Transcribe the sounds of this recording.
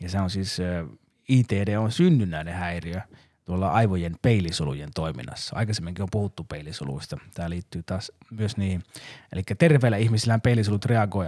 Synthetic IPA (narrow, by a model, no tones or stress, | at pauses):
jɑseonsiːs | iːt̪eːdeːonsynːynæinehæiriø | t̪uolːɑɑiʋojenpeilisolṵjent̪oimḭnːˑɑ̰sːɑɑ̰ikɑsemːiŋkiompuhut̪ːupeiliso̰lṵist̪ɑt̪æːliːt̪ːyːt̪ɑːs | myøsniːhielikːæt̪erʋeːlːæihmisilːæːmpeilːisolut̪reɑɡoi